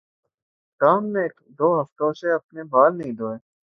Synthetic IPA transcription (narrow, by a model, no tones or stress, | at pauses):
ʈaːmːẽk | d̪oːɦɐft̪õseɐpnebaːlnɐɦĩd̪oːeː